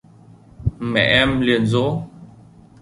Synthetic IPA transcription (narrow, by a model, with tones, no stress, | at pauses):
mɛ̰˨ʔɛ˦mli˨ə˨nzo˦